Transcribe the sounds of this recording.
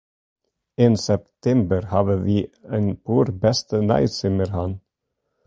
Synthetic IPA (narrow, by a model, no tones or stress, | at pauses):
ɪnsɛp̚t̪ʰɛmbəɾhɑʋəʋiːɛnpʰuːɾbɛst̪ənɑ̰ɪsɪməɾhɑn